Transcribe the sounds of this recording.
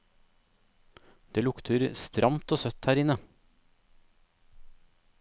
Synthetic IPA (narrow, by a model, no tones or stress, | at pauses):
d̪̥eːlʊkt̪ʰəɾst̪ɾʔɑmt̪oːsœt̪hæːɾɪnə